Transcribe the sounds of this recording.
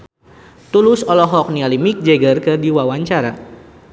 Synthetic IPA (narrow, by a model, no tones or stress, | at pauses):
t̪ulʊsɔlɔɦɔk̚nialimik̚d͡ʒɛɡərkɨrdiwawaɲt͡ʃaɾa